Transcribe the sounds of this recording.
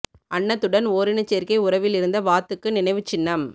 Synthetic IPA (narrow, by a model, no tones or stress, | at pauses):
ʔɐɳːɐt̪ːɯɽɐnoːɾɪnɯt͡ʃːeːɾkɐɪʊɾɐʋɪlɪɾɯnd̪ɐʋaːt̪ːɯkːɯnɪnɐɪʋɯt͡ʃːɪnːɐm